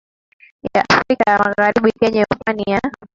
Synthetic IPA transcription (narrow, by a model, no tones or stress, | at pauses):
ja̰ʔafɾikajamaɣaɾiɓikɛɲɛupania